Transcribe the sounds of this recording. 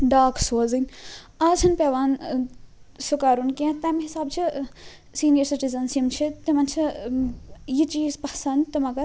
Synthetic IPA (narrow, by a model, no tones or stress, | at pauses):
ɖaːksoːzinʲ | aːzʰɐnpeːʋaːn | sukaːɾunkʲẽːt̪ɐmɦisaːb̚t͡ʃʰi | siːnijɐɾsiʈizɐnsjimt͡ʃʰit̪imɐnt͡ʃʰi | jit͡ʃiːzpɐsɐnd̪t̪ɐmɐɡɐɾ